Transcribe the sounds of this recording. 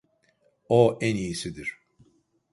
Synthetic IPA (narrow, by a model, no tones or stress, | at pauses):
oʔænijisid̪iɾ̥